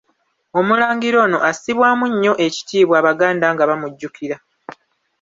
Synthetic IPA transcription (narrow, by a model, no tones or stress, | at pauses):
o̞mulaːŋɡiɾo̞ːno̞ʔasiβwaːmuɲːo̞ʔe̞ci̥tiːβwaːβaɡaːndaːŋɡaβamuɟːukʰiɾa